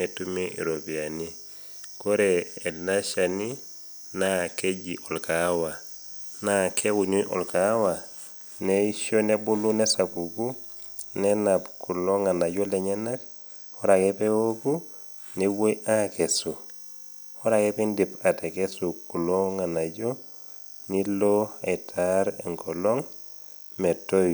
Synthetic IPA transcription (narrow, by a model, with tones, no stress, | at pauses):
etu˦miʔḭ˨ɾo˨pia˨ni˦ | ko˦ɾeː˨na˦ʃani˦ | nake˦d͡ʒi˨ʔɔ˨lkawa˨ | nakʰe˦ku˨ɲu˦ʔɔ̰˨lkawa˨ | nei˦ʃo˦ne˦bu˦lu˦nɛ˦sa˨ku˨ku˦ | nɛna˨pku˨lo˦ŋa˨na˨ɟo˦leɲena˦k | ɔɾakepe˦woku˦ | newo˦jʔake˨su | ɔ˦ɾakepindipa˨te˨kesu˨ku˨loŋa˨na˨ɟo | niloa˨itʰaɾḛŋkɔlo˦ŋ | me˨toj